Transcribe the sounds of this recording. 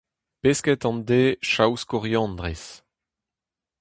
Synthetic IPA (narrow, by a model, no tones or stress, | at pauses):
peskɛt̪ɑ̃nd̪eːʃawskɔʁjɑ̃nd̪ʁes